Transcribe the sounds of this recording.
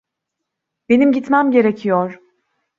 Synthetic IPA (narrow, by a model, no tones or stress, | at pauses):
b̥e̞nimɟit̪mæmɟe̞ɾecʰijoɾ̥